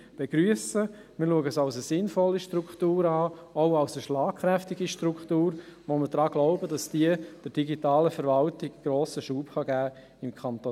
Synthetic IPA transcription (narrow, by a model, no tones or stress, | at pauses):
b̥eɡ̥ɾyəsə | mɪɾluəɡəsaʊsəsɪnfɔlːiʃtɾukχtuːɾɑːoʊaʊsəʃlaːkχɾɛftɪɡiʃtɾukχtuːɾʋoməɾd̥ɾɑːɡ̥lɔʊbədɑsd̥iəd̥əɾd̥iɡitɑːləfɛɾvɑltɪɡɡ̥ɾoːsəʃuːpχɑɡæː | ɪmkʰɑnt̪o